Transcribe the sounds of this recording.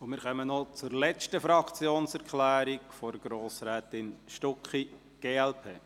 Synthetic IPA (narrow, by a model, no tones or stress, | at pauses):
ʊmɪːɾχœmənɔt͡sʊɾlɛt͡ʃtəfɾɑkt͡sjoːnsɛɾkʰlæːɾikfɔɾɡ̥ɾoːsɾɛːt̪ɪnʃtɔkχi | ɡ̥eːɛlpʰeː